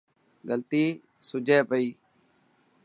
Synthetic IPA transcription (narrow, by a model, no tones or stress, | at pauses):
ɡəlt̪iː | sʊd͡ʒʱeːpəiː